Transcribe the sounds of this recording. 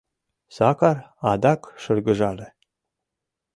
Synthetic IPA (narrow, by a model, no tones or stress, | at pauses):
sakarad̪akʃɨrɡɨʒale